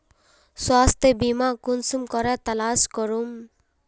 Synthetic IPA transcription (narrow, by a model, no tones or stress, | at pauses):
swast̪ʰebimakunsumkɔɾat̪alaskɔɾum